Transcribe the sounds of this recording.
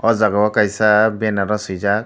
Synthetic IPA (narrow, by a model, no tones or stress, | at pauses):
ɔzaɡawakajsabɛnaɾɔsɯjzak̚